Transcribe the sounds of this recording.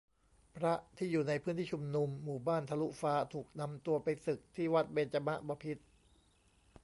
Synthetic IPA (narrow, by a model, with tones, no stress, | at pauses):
pʰɾa˦˥ʔt̪ʰiː˥˩juː˨˩na˧jpʰɯː˦˥nt̪ʰiː˥˩u˧mnu˧mːuː˨˩baː˥˩nt̪ʰa˧lu˦˥ʔfaː˦˥t̪ʰuː˨˩k̚na˧mt̪u˧ɐpa˧jsɯ˨˩k̚t̪ʰiː˥˩wa˦˥t̪̚be˧nt͡ɕa˧ma˦˥ʔbɔː˧pʰi˦˥t̪̚